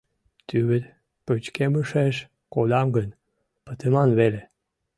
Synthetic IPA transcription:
t̪yβɘɾ | pət͡ɕkeməʃeʃ | kod̪ɑmɡən | pət̪ʰəmɑnβele

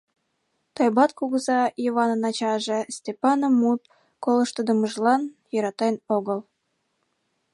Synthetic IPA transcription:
t̪ojbɑt̪kuɣəzɑiəβɑnənɑt͡ɕɑʒesʲt̪ʲepɑnəmːut̪̚ | koləʃt̪əd̪əməʒlɑnjəɾɑt̪ɑjnoɣəl

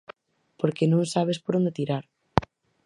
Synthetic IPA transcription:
poɾkenõŋsaβ̞espoɾõnd̪et̪iɾaɾ

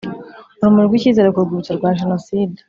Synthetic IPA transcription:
uɾumuɾɾɡwiːciːze̞ɾekuɾɡuut͡ʃoɾɡwaːʒenosiːde

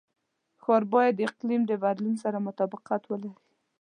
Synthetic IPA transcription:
xɑɾbɑjad̪ːəɪqlimd̪əbad̪lunsaɾamʊt̪ɑbɪqat̪wəlaɾi

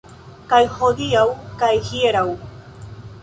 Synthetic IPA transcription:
kajhod̪iawkajhieɾaw

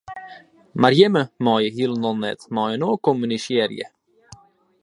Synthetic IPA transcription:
maɾjɛməmɑːjəhilˠnɔnɛ̰t̪mɑːjənoːkɔmyniʃɛɾjə̰

